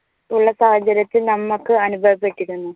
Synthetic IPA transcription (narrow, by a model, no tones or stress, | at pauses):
uɭːɐsaːhɐd͡ʑɐɾɐt̪ːilnɐmːukːɨɐnubʱɐʋɐpːe̞ʈːiɾunːu